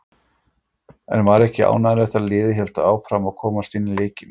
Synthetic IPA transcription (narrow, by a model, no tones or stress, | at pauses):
ɛ̰nvaɾɛhcɪa̰ːwnaðɪɾðɛht̪alɪːðɪçɛl̥t̪aaːwfɾamaðkʰɔːmast̪ɪnːɪleːjcɪn